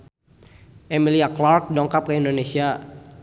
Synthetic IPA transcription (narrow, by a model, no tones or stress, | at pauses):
ʔemiliaklark̚dɔŋkap̚kəindonesia